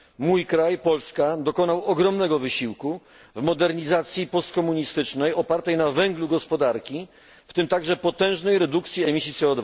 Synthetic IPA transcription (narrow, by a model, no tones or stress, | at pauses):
mujkɾajpɔlskad̪ɔkɔnawɔɡɾɔmnɛɡɔvɘɕiwku | vmɔd̪ɛɾɲizat̪sʲjipɔst̪̚kɔmuɲist̪ɘt͡ʂnɛjɔpaɾt̪ɛjnavɛŋɡluɡɔspɔd̪aɾkʲi | ft̪ɘmt̪aɡʐɛpɔt̪ɛ̃w̃ʐnɛjɾɛd̪ukt̪sʲjiɛmʲisʲit̪sɛɔd̪va